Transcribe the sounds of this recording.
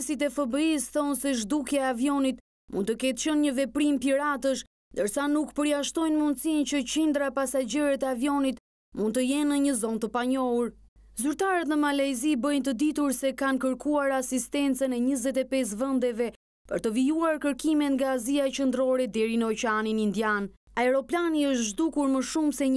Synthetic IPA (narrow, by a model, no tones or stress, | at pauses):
sit̪ɛfəbəisθɔnsɛʒd̪ukjaɛavjɔnit̪ | mṵnt̪əkɛt̪ʃənɲəvɛpɾimpiɾat̪əʃ | nd̪əɾsanukpəɾjaʃt̪ɔjnmund̪sint͡ɕət͡ɕind̪ɾaɛpasad͡ʒɛɾɛt̪ɛavjɔnit̪ | mund̪t̪əjɛnːəɲəzɔnt̪əpaɲɔɦuɾ | zyɾt̪aɾət̪nəmalajzibəjnt̪əd̪it̪uɾsɛkankəɾkuaɾasist̪ɛnt͡sənɛɲəzɛt̪ɛpɛs̬vɛnd̪ɛvɛ | pəɾt̪əvijuaɾkəɾkimɛt̪ŋɡaːziaɛt͡ʃənd̪ɾɔɾɛd̪ɛɾinəɔt͡ʃɛaninind̪jan | aɛɾɔplaniəʃt̪ʒd̪ukuɾməʃumsɛ